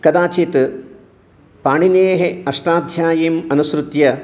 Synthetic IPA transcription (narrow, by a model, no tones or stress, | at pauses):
kɐd̪aːt͡ʃet̪ɨ | paːɳineːɦeɐʂʈaːd̪ʱjaːjiːmɐnusɾut̪jɐ